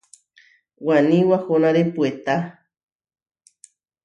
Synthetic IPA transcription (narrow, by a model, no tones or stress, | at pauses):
wanĩwahonaɾepuet̪a